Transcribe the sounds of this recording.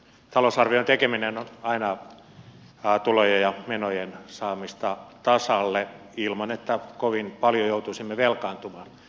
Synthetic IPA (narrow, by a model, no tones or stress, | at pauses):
t̪ɑlosɑrʋiont̪ekeminenonɑinɑ | t̪ulojejɑmenojensɑːmist̪ɑt̪ɑsɑlːe | ilmɑnet̪ːækoʋinpɑljojout̪uisimːeʋelkɑːnt̪umɑːn